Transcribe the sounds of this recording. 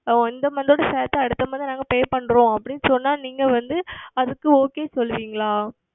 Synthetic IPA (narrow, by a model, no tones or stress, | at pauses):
ɪnd̪ɐmɐnd̪oːɽɐsɛːt̪ːɐɐɽɯt̪ːɐmɐnd̪ɯnaːŋɡɐpeːpɐɳːɾõːɐpːɐɽɪnːɯsɔnːaːniːŋɡɐʋɐnd̪ɯɐðɯkːɯoːkeːsɔlːɯʋiːŋɡɐɭaː